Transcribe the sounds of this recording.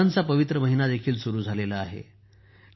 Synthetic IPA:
ant͡sapəʋit̪ɾəməɦinad̪ekʰiːlsuɾuːd͡zʱalelaaɦḛ

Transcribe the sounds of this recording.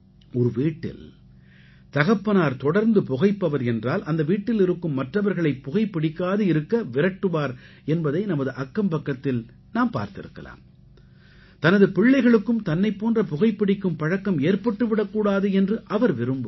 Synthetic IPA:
ɔɾɯʋiːʈːɪ̰l | t̪ɐɣɐpːɐnaːɾt̪ɔɽɐɾnd̪ɯpʊɣɐɪpːɐʋɐɾɛndraːlɐnd̪ɐʋiːʈːɪlɪɾɯkːɯmːɐʈrɐʋɐɾɣɐɭɐɪpːʊɣɐɪpːɪɽɪkːaːðɯɪɾɯkːɐʋɪɾɐʈːɯʋaːɾ | ɛnbɐðɐɪnɐmɐðɯʔɐkːɐmpɐkːɐt̪ːɪl | naːmpa̰ːɾt̪ɪ̰ɾɯ̰kːɐ̰la̰ːm | t̪ɐnɐðɯpɪɭːɐɪɣɐɭɯkːɯmt̪ɐnːɐɪpːoːndrɐpʊɣɐɪpːɪɽɪkːɯmpɐɻɐkːɐmeːɾpɐʈːɯʋɪɽɐkːuːɽaːðɯɛndrɯʔɐʋɐɾʋɪɾɯmbɯ

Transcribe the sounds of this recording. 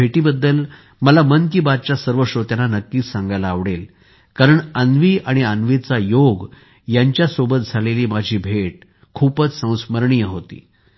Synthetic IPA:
bʱeʈiːbəd̪ːəl | məlamənkiːbad̪̚t͡ɕjasəɾʋəɕot̪janːanəkːiːt͡ssãŋɡajlaːʋɽel | kaɾəɳənʋiːʔaɽ̃iənʋit͡sajoɡ | jaɲt͡ɕjasobət̪̚d͡zʱaleliːmad͡ʑʱiːbʱeʈ | kʰuːpət͡ssə̃w̃sməɾɳijəɦot̪ḭː

